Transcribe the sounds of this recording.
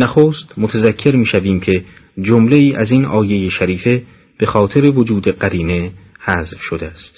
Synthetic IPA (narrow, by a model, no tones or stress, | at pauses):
næxoːst̪mot̪ʰæzækʰːe̞ɾmiːʃæviːmcʰe̞ | d͡ʒomle̞iːʔæziːnʔɒːje̞jeʃæɾiːfe̞ | b̥e̞xɒːt̪ʰe̞ɾe̞vo̞d͡ʒuːd̪eɢæɾiːne̞hæzfʃod̪eæst̪